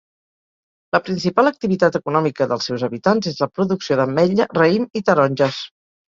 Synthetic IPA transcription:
ləpɾinsipalək̚t̪iβit̪at̪əkunɔmikəðəlˠsɛwzəβit̪anzezləpɾuðuksioðəmːɛʎərəimit̪əɾɔnʲʒəs

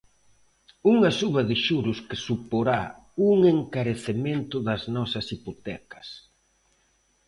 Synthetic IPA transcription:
uŋɐsuβɐðɪʃuɾʊskɪsupoɾa | uŋeŋkaɾeθement̪ʊðɐznɔsɐsipot̪ɛkɐ̥s

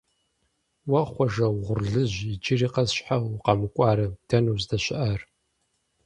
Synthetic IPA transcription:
wɐχʷɔʒɐwʁʷʊrɮɨʑid͡ʒɪriːqɐzɕħawqɐmɨkʷʼɑːɾɨd̥ɐnuzdɐɕɪʔar

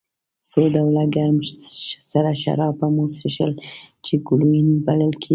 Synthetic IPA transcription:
sod̪awlaɡaɾmsaɾaʃa̰ɾɑbamosiʃəlt͡ʃeɡuɽujinibaləlkʰe

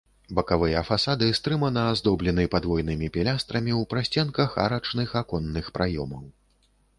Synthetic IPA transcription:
bɐkavɨjɐfasad̪ɨst̪ɾɨmɐnɐːzd̪ɔblʲɛnɨpad̪vɔjnɨmʲipʲɛlʲast̪ɾɐmʲiwpɾasʲt͡sʲɛnkɐxa̰ɾɐt͡ʂnɨxakɔnːɨxpɾajɔmɐw

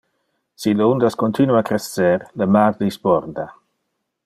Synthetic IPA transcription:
siləund̪askont̪ʰinuakɾesːɛɾləmard̪ispɔɾd̪a

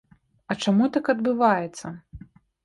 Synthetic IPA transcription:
ɐt͡ʂamut̪akɐd̪bɨvajɛt̪sːɐ

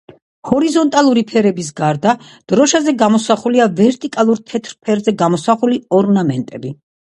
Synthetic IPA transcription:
hɔɾizɔnt̪ʼalˠuɾipʰɛɾɛbis̬ɡaɾd̪a | d̪̥ɾɔʃazɛɡamɔsaχuliavɛɾt̪ʼikʼalˠuɾt̪ʰɛt̪ʰɾpʰɛɾzɛɡamɔsaχuliɔɾnamɛnt̪ʼɛbi

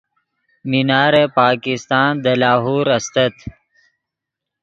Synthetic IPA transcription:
minaːɾepaːkist̪aːnd̪əlaːɦuːɾɐst̪ɐt̪

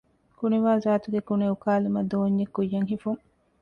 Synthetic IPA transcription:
kuneʋaːzaːt̪uɡekuneukaːlumɐd̪oːɲːekːujːɐŋhifuŋ

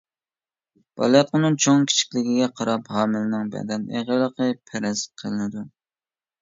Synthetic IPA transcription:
b̥ɑ̰lˠjɑt̪̚qənɨŋt͡ʃʰoŋkʲʰi̥t͡ʃʰi̥kʲlɪɡʲiɡʲɛqʰɑɾɑphɑːmɪlnɪŋbɛ̰d̪ɛnḛʁəlˠəqʰəpʰæɾɪzqʰəlɨnɪd̪u

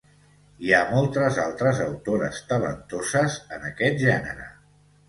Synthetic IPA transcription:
iamolˠt̪əzalˠt̪ɾəzəwt̪oɾə̰st̪ələ̰nt̪ozəzənəkɛt̪̚ʒɛnəɾə

